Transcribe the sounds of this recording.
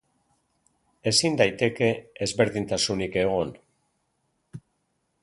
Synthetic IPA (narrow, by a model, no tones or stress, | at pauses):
e̞sind̪ajt̪e̞ke̞ːzβe̞ɾðint̪asunike̞ɣ̞on